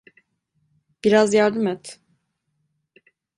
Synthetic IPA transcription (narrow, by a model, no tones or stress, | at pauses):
b̥iɾazjaɾd̪ɯmɛt̪